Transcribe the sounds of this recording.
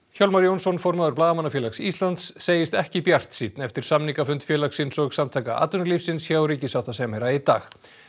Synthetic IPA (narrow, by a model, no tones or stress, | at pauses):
çɔwlmaɾjownsɔnfɔɾmaðʏɾplaːðamanafjɛlaksiːst̪lant̪sːeːjɪst̪ɛhcɪpjar̥t̪siːt̪nɛft̪ɪɾ̥samniŋkafʏnt̪fjɛlaksɪnsɔɣsamt̪ʰajkaa̰ːt̪ʏnʏlifsɪnsçaːwɾiːcɪsawt̪asɛmɛɾait̪a̰ːx